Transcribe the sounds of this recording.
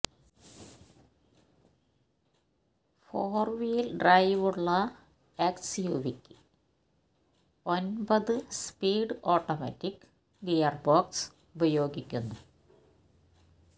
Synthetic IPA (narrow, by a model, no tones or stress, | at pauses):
foːrʋijilɖrɐjʋuɭːɐ | eksjuːʋikʲːɨ̥ | o̞nbɐðɨspiːɖɨoːʈːɐmɐ̰tːikːɨ̥ | ɡejɐrboːks | ubɐjo̞ːɡikʲːunːu